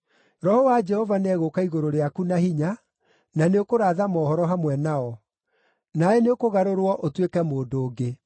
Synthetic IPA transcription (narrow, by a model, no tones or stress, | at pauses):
ɾɔhɔwad͡ʒɛhɔvanɛɣokaiɣoɾoɾeakunahiɲa | naneokoɾaːðamɔːhɔɾɔɦamwɛnaɔ | naɛneokoɣaɾoɾwɔʔotwekɛmoːdoːɡe